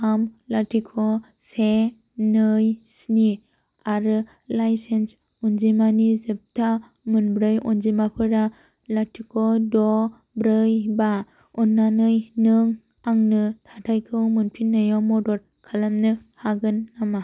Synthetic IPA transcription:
amlatʰikʰɔ | se | nɯjsni | aɾɯ | lajsens | unzimanizɯp̚tʰa | mɯnbɾɯjunzimapʰɯɾa | latʰikʰɔdɔ | bɾɯjba | unːanɯjnɯŋ | aŋnɯtʰatʰajkʰɯwmɯnpʰinːajɔmɔdɔɾ̚ | kʰalamnɯhaɡɯnːama

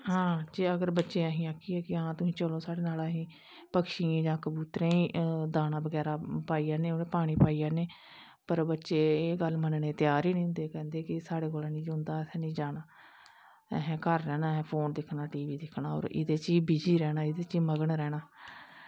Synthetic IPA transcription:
ɦãːd͡ʒeːəɡəɾbətːʃeːaɦĩːaːkʰːiːɛːkɪɦãːt̪ʊsĩːt͡ʃəlõːsaːɽeːnaːlaɦĩː | pəkʃiːẽːd͡ʒãːkəbuːt̪ɾẽːĩːd̪aːnaːbəɡɛːɾaːpaːiːaːneːoːnẽːpaːɽ̃iːpaːiːaːneː | pəɾbətːʃeːeːɡəlmənneːt̪jaːɾiːnĩːʊ̃nd̪eːkɛ̃ːnd̪eːkɪsaːɽeːkoːlɛ̃ːnĩːd͡ʒond̪aːsʰɛ̃ːnĩːd͡ʒaːnaː | ɦɛ̃ːkəɾːɛːnaːɦɛːpʰoːnd̪ɪkʰnaːʈiːʋiːd̪ɪkʰnaːɦo̰ːɾɪ̰d̪eːt͡ʃiːbiːd͡ʒiːɾɛːnaːɪd̪eːt͡ʃiːməɡəɳɾɛːɽaː

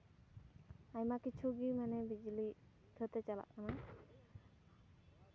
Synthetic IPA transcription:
ajmakit͡ʃʰuɡimɛnɛbid͡ʒli | kʰət̪ɛt͡ʃala̰ʔkana

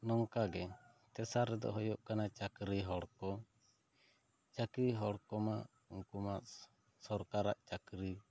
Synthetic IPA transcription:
nɔŋkaɡɛ | t̪ɛsaɾɛd̪ɔ̰ɦɔjɔʔkanat͡ʃakɾiɦɔɽkɔ | t͡ʃakɾiɦɔɽkɔmaʔ | uŋkuma | sɔɾkaɾaʔt͡ʃakɾi

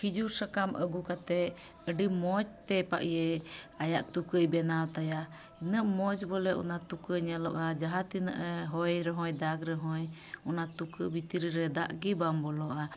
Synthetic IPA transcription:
kʰid͡ʒuɾsakamʔəɡukat̪ɛ | əɖimɔd͡ʒt̪ɛpa̰ʔijɛajaʔt̪ukəjbɛnawt̪aja | inəʔmɔd͡ʒbɔlɛʔɔ̰nat̪ukəɲɛlɔʔad͡ʒaɦat̪inə̰ʔəɦɔjɾɛɦɔ̃jd̪aɡɾɛɦɔj | ɔnat̪ukəbit̪iɾiɾɛd̪aʔɡibambɔlɔʔa

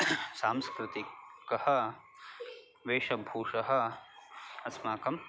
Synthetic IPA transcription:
saːmskɾɪt̪ikɐhɐ̆ | ʋeːʂɐbʱuːʂɐɦɐ̆ | ɐsmaːkɐm

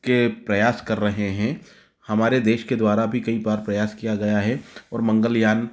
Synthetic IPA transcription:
kepɾɐjaːskɐɾːɐɦeɦɛ̃ | hɐmaːɾed̪eːʃked̪waːɾabʱikɐibaːɾpɾɐjaːskijaɡɐjaɦɛɔːɾmɐ̃ŋɡəljaːn

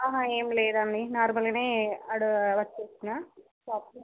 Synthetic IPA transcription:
aɦãeːmleːd̪ɐnd̪inaːɾmɐlɡɐneːɐɽuʋɐt͡ʃːeːsinaː | saːp

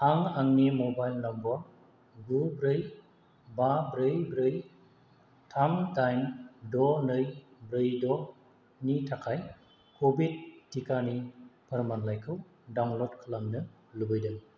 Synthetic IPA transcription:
aŋaŋnimɔbajlnɐmbɔɾ | ɡubɾɯj | babɾɯjbɾɯj | tʰamtajndɔnɯjbɾɯjdɔ | nitʰakʰaj | kʰobid̚ːikanipʰɯɾmanlajkʰɯw | dawŋlɔdkʰɯlamnɯ | lubɯjdɯm

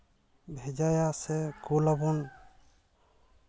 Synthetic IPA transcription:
bʱɛd͡ʒajasɛkulɔbɔn

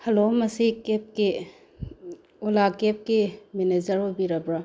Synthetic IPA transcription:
hɐlomɐsikep̚ki | ulakep̚kimened͡ʒɐɾɦojbiɾɐbɾa

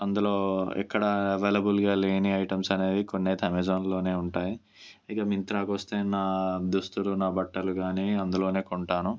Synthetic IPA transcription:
ɐnd̪ulo̞ːɛ̰kːɐɽɐɐʋeːlɐbulɡaːleːniɐjʈɐmsɐne̞ːd̪ikonːeːt̪ʰɐmed͡ʒoːnlo̞ːne̞ːuɳʈaːji | ikɐmint̪ɾaːkʋɐst̪e̞ːnaːd̪ust̪ulunaːbɐʈːɐluɡaːniːɐnd̪ulo̞ːne̞ːkoɳʈaːnu

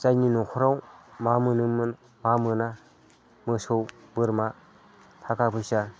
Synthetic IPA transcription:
t͡ʃajninɔkʰɔɾawmamɯnɯmn | mamɯna | mɯsowbɯɾma | tʰakapʰɯjsa

